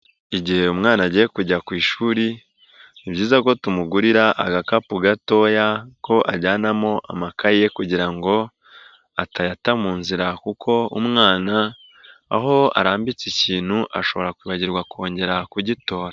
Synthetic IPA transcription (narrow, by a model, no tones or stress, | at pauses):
iɟihe̞umŋaːnaɟiːje̞kuɟakwiːʃuːɾi | niβbɟiːzako̞tumuɡuɾiɾaʔaɡakapuɡato̞jako̞ʔa̰ɟaːnamo̞ʔa̰makajekuɟiɾaŋɡo̞ | atajatamuːnziɾakukʰo̞umŋaːna̰ː | ɦo̞a̰ɾaːmbit͡siciːn̥huʔaʃo̞βo̞ɾakwiːβaɟiɾɡwakʰo̞ːɲɟe̞ɾakuɟito̞ːɾa